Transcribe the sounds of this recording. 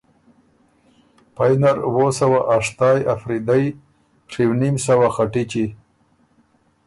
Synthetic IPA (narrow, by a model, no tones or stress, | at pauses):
pajnaɾwosawaʔaʂt̪ɑjafɾid̪aj | ʂiwnimsawaxaʈit͡ʃi